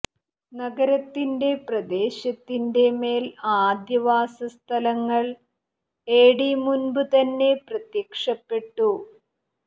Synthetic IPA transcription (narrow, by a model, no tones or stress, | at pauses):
nɐɡɐɾɐt̪ːinde̞prɐd̪e̞ːɕɐt̪ːinde̞me̞ːlaːd̪jɐʋaːsɐst̪ʰɐlɐŋːɐɭ | eːɽimunbɨt̪ɐnːe̞prɐt̪jɐkʂɐpːe̞ʈːu